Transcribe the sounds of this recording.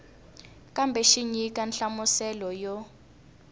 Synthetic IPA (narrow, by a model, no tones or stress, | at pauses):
kambʱɛʃiɲikanɬamusɛlɔjɔ